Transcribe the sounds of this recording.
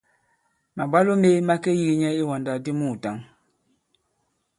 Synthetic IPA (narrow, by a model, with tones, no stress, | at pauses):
ma˨ɡ͡ba˦lo˦me˦ma˦ke˦ji˦ɡi˨ɲɛ˦i˦wɔ˨nda˨di˦mũ˦˨ta˨˦ŋ